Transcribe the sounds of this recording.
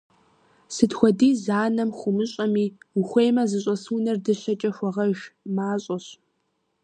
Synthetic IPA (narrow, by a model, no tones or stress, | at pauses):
sɨdxʷɔdiːzaːnɐmχʷʊmɨɕʼɐmiːuxʷejmɐzɨɕʼɐsuːnɐrdɨɕɐt͡ʃʼɐxʷɔʁɐʒʷmaːɕʼɐɕ